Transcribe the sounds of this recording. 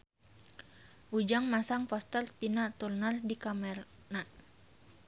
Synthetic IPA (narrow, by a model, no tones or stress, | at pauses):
ʔud͡ʒaŋmasaŋpɔst̪ɛrt̪inaʔt̪urnardikamɛr | naʔ